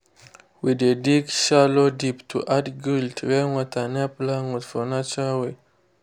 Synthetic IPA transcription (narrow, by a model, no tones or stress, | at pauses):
widediɡʃalodiptʰuʔadɡiltɾɛŋɔtanaplaŋutfɔnat͡ʃawe